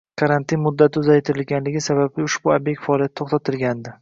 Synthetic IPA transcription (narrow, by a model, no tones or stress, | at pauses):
kʰaɾant̪inmʊd̪ːat̪ʊzajt̪ʰɪɾɪlɡʲanlɪɡʲɪsabablɪʊʃbʊabjek̚ʲkʲfaɒlˠijat̪ːʰoχt̪ʰat̪ʰɪlɡʲand̪ɪ